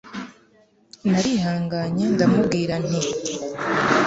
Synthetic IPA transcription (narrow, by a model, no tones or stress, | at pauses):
naɾiɦaːŋɡaːɲendamub̚ɡiːɾan̥i